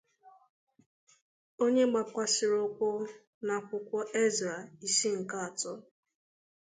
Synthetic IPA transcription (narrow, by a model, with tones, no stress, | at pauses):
o˦ɲe˦ɡ͡ba˨kʷa˦sɪ˨ɾo˦kʷʊ˦ | na˨kʷʊ˦kʷɔ˦ʔe˦za˨i˨si˦ŋ̩˨ka˦a˨tʊ˦